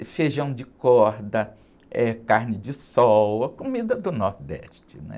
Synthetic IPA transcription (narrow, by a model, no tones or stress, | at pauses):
feʒɐ̃w̃d͡ʒɪkɔɾd̪ɐ | ɛkaɾnɪd͡ʒɪsɔwɐkomid̪ɐd̪ʊnɔɾd̪ɛ̰ʃt͡ʃɪ̥nɛ̰